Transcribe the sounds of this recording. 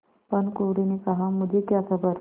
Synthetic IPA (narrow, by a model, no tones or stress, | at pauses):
pəɳkoʋɽinekəɦamud͡ʒʱekjakʰəbəɾ